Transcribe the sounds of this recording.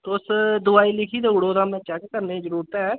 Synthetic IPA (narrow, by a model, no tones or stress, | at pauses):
t̪ʊsd̪ʊaːiːlɪkʰiːd̪eːʊɽoːd̪aːmɛ̃ːt͡ʃɛkːəɾneːd͡ʒəɾuːɾət̪ɛː